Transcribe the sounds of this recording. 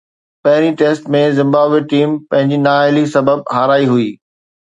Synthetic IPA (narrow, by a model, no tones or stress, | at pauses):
pɐɦɪɾ̃iʈeːsʈmẽzɪ̃mbaːbʋeʈiːmpɐ̃ɦɪ̃ɲd͡ʑinãːelisɐbəb̚ɦaːɾaːiɦʊiː